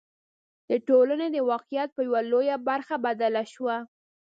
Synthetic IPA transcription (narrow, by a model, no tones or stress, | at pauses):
d̪̥əʈolaned̪əwɑqijat̪̚pəjawalojabaɾxabad̪alaʃwa